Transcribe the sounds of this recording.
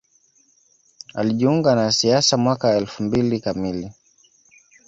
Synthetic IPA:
a̰liʄiuŋɡanasiasamwakaɛlfumbilikamili

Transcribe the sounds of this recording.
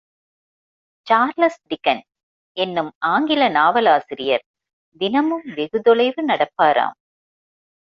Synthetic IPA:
t͡ʃaːɾlɐsɖɪkːɐn | ɛnːɯmaːŋɡɪlɐnaːʋɐlaːsɪɾɪjɐɾ | d̪ɪnɐmɯmʋɛɣɯðɔɭɐɪʋɯnɐɽɐpːaːɾa̰ːm

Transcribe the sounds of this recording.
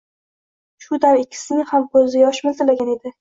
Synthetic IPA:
ʃʊd̪aɾɪkʲʰːɪ̥sɪnɪhamkʰɵzɪjɒʃmɪlt̪ɪlaɡʲane̞d̪ɪ

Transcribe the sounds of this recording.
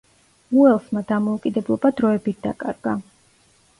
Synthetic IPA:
uɛlˠsmad̪amɔukʼid̪ɛblˠɔbad̪ɾɔɛbit̪̚d̪̥a̰kʼaɾɡa

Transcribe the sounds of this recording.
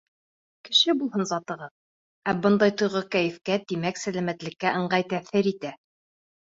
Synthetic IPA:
kɘ̆ʃɘbulˠhɤnzɑt̪ɤ̆ʁɤð | æbɤnd̪ɑjt̪ŏjʁɤkæjɘ̆fkæt̪imæksælæmæt̪lɘ̆kːæʔɤ̆ɴɢɑjt̪æθɘɾit̪æ

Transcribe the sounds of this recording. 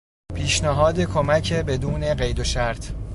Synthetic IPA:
pʰiːʃnæɦɒːd̪e̞kʰomæcʰe̞be̞d̪uːne̞ɢe̞jd̪oʃæɾt̪ʰ

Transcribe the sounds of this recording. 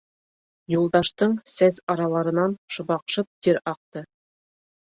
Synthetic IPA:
julˠd̪ɑʃt̪ɤɴsæzɑɾɑlˠɑɾɤ̆nɑnʃŏbɑqʃɤp̚t̪iɾɑq̚t̪ɤ

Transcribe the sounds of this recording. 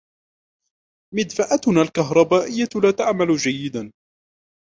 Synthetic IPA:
mɪd̪faʔat̪naːlkaɦɾˤɑbaːʔɪjːalaːt̪aʕmalʊd͡ʒajːɪd̪an

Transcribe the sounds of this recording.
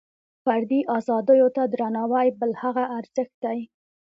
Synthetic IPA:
faɾd̪iʔɑzɑd̪əjot̪ad̪ɾanɑwajbəlhaɣaʔːɾz̥əxt̪̚d̪aj

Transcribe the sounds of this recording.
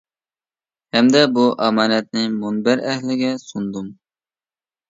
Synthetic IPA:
hɛmd̪ɛbuʔɑmɑːnɛt̪̚nɪmunbɛɾɛhlɪɡʲɛsund̪um

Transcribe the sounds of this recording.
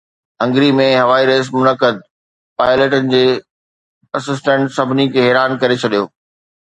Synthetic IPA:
ɦɐ̃ŋɡɾimẽɦɐʋaːiɾeːs̬mʊnəkəd̪̚ | paːɪleːʈənɪ̆d͡ʑeː | ɐsɪs̬ʈə̃ɳʈsɐbʱɪnikʰeːɦɛːɾaːnkɐɾet͡ɕʰɐɗijoː

